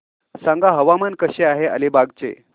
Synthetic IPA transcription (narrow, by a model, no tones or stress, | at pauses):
sãŋɡaɦəʋamankəɕeaɦea̰lebaɡt͡sḛ